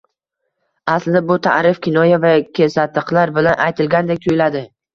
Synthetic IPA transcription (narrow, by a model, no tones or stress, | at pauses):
aslɪabʊt̪ʰa̰ʔɾɪfkʲʰɪnɒjavakʲʰesat̪ːɪqlaɾbɪlanʔajt̪ʰɪlɡʲand̪ek̚ʲt̪ʰʊjɪlad̪ɪ